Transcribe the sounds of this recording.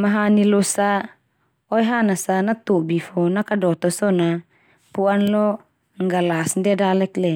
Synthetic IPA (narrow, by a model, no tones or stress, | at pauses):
maɦanilosa | ɔjɦanasanat̪uʔbifɔnakadɔt̪ɔsɔna | puʔanlɔ | ŋɡalasndɛdalɛklɛ